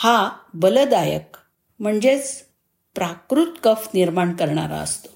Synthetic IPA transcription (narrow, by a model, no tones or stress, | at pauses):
habələd̪ajə̰k | m̤əɳd͡zet͡s | pɾakɾut̪kəfniɾmaɳkəɾɳa̰ɾa̰ə̰st̪o̥